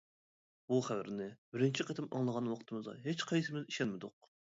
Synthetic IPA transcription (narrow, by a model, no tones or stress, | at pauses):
b̥uχæwɪɾnɪbɪɾɪnt͡ʃʰiqet̪ʰɪmɑ̰ŋlˠəʁɑnwɑqʰt̪ʰɨmɨzɑ̰ɦet͡ʃqʰɑjsɨɪmɪziʃɛnmɪd̪ʊq̚